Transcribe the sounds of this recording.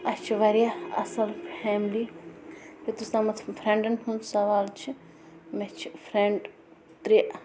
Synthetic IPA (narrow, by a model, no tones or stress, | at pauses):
ɐst͡ʃʰiʋɐɾijaɐ̰sɐlpʰɛmli | jut̪usɐmɐt̪ʰpʰɾẽɳɖɐnɦunsɐʋaːlt͡ʃʰi | met͡ʃʰi̥pʰɾeɳɖ | t̪ɾiʔ